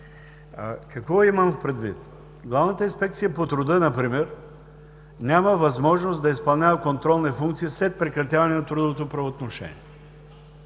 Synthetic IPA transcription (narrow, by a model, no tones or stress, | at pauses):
kɐkvɔiməmpɾɛd̪vḭt̪ | ɡlˠavnət̪əinspɛk̚t̪sijəpot̪ɾʊd̪ənɐpɾimɛɾ | nʲaməvɐzmɔʒnosd̪ɐispɐlˠnʲavəkont̪ɾɔlˠnifuŋkt̪siislɛt̪̚pɾɛkɾɐt̪ʲjavɐnɛnɐt̪ɾud̪ovot̪opɾɐvoːt̪noʃɛ̰nʲḭɛ